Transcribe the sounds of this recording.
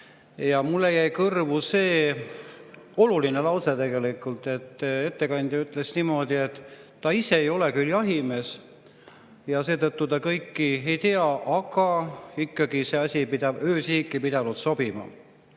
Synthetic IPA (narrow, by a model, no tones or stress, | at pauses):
jɑmulːejæjkɤrvuse̞ː | o̞lulinelɑwse̞t̪e̞ɡe̞likːˑult̪ˑe̞t̪ːe̞t̪ːe̞kɑnʲd̪̥ʲjɑyt̪ːˑle̞snimo̞d̪̥ie̞t̪ː | ɑise̞ejo̞le̞kyljɑɦime̞s | jɑse̞ːt̪ɤt̪ːut̪ɑkɤjkːie̞jt̪eɑʔɑɡ̥ɑikːɑɡ̥ise̞ɑsʲipid̪̥ɑbøːsiːkːˑipid̪̥ɑnut̪so̞b̥imɑ̰